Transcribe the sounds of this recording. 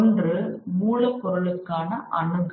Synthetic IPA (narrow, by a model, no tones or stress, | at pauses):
ndrɯmuːɻɐɪpːɔɾɐɭɯkːaːnɐʔɐɳɯɣ